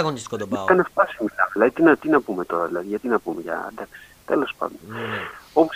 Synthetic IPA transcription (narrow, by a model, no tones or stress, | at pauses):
ɣonist̪ɐnefpɐsimilɐvilɐðit̪inɐt̪inɐpume̞t̪o̞ɾɐðilɐðiʝɐt̪inɐpumeʝɐ̰d̪ɐksi̥t̪e̞lo̞spɐ̰nd̪ono̞pos